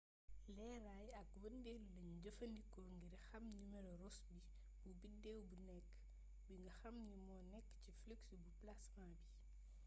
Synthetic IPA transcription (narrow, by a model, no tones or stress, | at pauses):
lɛɾajɐk̚wɐndɛllɐɲɟɐfɐndikɔɾŋɡiɾxɐmnimeɾɾɔsbi | bubidɛwbunɛkː | biŋɡɐxɐmnimɔnɛkːcifliksbuplasmaːbi